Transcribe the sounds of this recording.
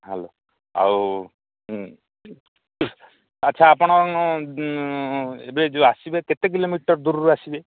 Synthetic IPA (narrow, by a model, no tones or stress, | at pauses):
ɦɛlo | a̰w | ɐtːʃʰaːpɔɽ̃ɔ | ebɾed͡ʒoasibeket̪ek̬ilomiʈɔɾd̪uɾɾuasibe